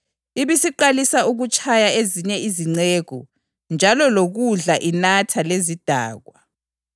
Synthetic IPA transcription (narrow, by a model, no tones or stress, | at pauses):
iβisiǃalisauɣut͡ʃʰʼajaeziɲɛiziŋ͡ǀeɣɔ̰ | nd͡ʒʱalɔloɣuɮaʔinatʰalezid̥ʱa̰ːɣwa